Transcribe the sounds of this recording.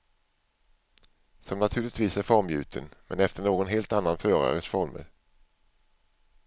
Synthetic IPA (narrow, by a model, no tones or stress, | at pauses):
sɔmnat̪ʰʉːɭɪt̪viːsæɾfɔɾmjʉ̟̰ːt̪ʰənmɛ̰nɛft̪əɳoːɡɔnɦeːlt̪anːanfœːɾa̰ɾəsfɔɾmə̰ɾ